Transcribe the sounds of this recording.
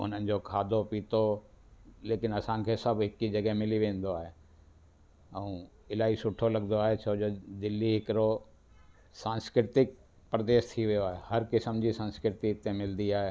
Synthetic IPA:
ʊ̰n̤ənɪ̆d͡ʑoːkʰaːd̪ʱopiːt̪o | leːkɪnɐsãkʰesɐbɦɪkid͡ʑɐɡɦemɪliʋẽːnd̪oaːɦe | ɛ̃ː | ɪlaːisʊʈʰolɐɡnd̪oaːɦet͡ɕʰoːd͡ʑoːd̪ɪlːiɦɪkɪɾo | sãːnskɾɪt̪ɪk̚ | pɾɐd̪eːʃt̪ʰiʋijoaːɦehɐɾkɪsəmd͡ʑisɐ̃nskɾɪt̪it̪ẽmɪld̪iaːɦeː

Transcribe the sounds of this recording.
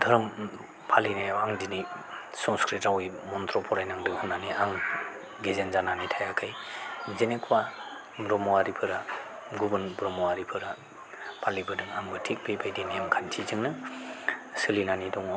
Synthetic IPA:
dʰʱɯɾɯm | pʰalinajaŋdini | sɔnskɾitawimɔntʰɾɔpʰɔɾajnaŋdɯŋhunːaniaŋ | ɡezenzananitʰajakʰajzenekʰwa | bɾɔmɔaɾipʰɯɾa | ɡubɯnbɾɔmɔwaɾipʰɯɾa | pʰalibɯdɯŋaŋbɯtʰik̚bebajdinijamkʰantʰizɯŋnɯ | sɯlinanidɔŋ

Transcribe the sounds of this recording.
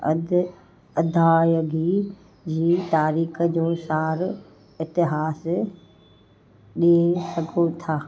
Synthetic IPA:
ɐ̰d̪ | ɐd̪ʱaːjəɡi | d͡ʑiːt̪aːɾiːkəd͡ʑoːsaːɾ | ɪt̪ɪɦaːs | ɗiesɐɡʱot̪ʰaː

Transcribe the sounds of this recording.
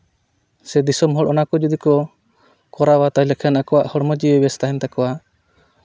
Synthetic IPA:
sɛd̪isɔmɦɔɽʔɔnakɔd͡ʒɔd̪ikɔ | kɔɾawat̪ajlɛkʰanakɔwaʔhɔɽməd͡ʒiɛbɛst̪aɦɛnt̪akɔwa

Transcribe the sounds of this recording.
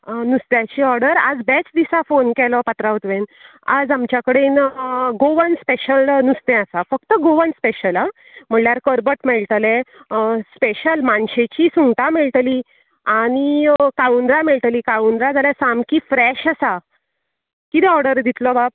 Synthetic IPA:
nust̪jat͡ɕiːɔɾɖəɾad͡zbɛt͡sd̪isafonkɛlɔpət̪ɾaut̪ʋẽn | a̰d͡zamt͡ɕjakəɽenɡoʋənspeɕəlnust̪ɛ̃asafəkt̪əɡoʋənspeɕəla | m̤əɳljaɾkəɾbəʈmeɭt̪lẽ | speɕəlmanɕet͡ɕisuŋɡt̪ameɭʈliː | aɽ̃ikaund̪ɾameɭʈ̪liːkaund̪ɾad͡zaljasamkifɾɛɕasa | kit̪ɛɔɾɽəɾd̪it̪lɔbab̚

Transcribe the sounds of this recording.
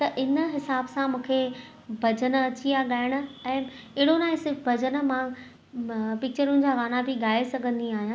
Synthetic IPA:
t̪ɐʔɪnəɦɪsaːbsãmũːkʰe | bʱɐd͡ʑən̆ɐt͡ɕijaɠaːɪɽ̃ə̆ɛ̃ː | ɪːɽonaːẽsɪɾfbʱɐd͡ʑən̆mã | pɪk̚t͡ɕəɾʊnɪ̆d͡ʑaːʋaːnabʱɪɠaːesɐɡʱə̃nd̪iaːɦijãː

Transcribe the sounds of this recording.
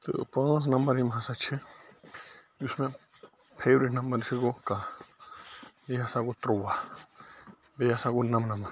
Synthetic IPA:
t̪ɨ̰pə̃s̬nɐmbəɾɦimɦasat͡ʃʰi | usmẽ | pʰeːbɾiʈnɐmbəɾsikoka | bejaːsakot̪ɾowa | bejasakunɐmnɐməɾ

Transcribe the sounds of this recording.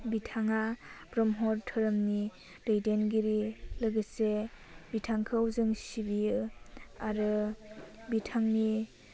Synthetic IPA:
bitʰaŋabɾɔmɦɔɾtʰɯɾɯmni | dejdenɡiɾilɯɡɯse | bitʰaŋkʰɯwzɯŋsibijɯaɾɯ | bitʰaŋni

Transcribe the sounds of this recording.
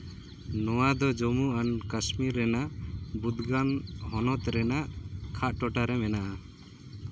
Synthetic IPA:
nɔwad̪ɔd͡ʒɔmuʔankasmiɾːɛnaʔbud̪ɡanɦɔnɔt̪ɾɛnaʔkʰaʔ̪̚ʈɔʈaɾɛmɛnaʔa

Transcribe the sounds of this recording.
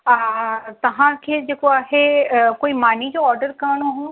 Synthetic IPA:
at̪ɐʋ̤ãkʰeːd͡ʑeːkoaːɦekoːimaːnid͡ʑoɔːɾɖəɾkɐɽ̃oɦũ

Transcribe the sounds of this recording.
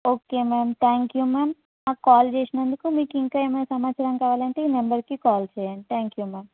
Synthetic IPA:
okemɛmt̪ʰɛ̃ŋkjumɛːm | ãkɔːld͡ʒeʃnãnd̪ikumĩkĩŋkəemnesamat͡ʃaɾãŋkaʋalent̪einɐmbəɾkikɔːlt͡ʃʰent̪ʰɛ̃ŋkjumɛːm

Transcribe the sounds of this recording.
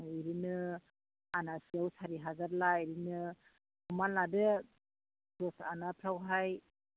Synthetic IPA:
iɾinɯ | anasijawsaɾiɦazaɾlaiɾinɯ | ɔmanladɯ | dɔsanapʰɾawɦaj

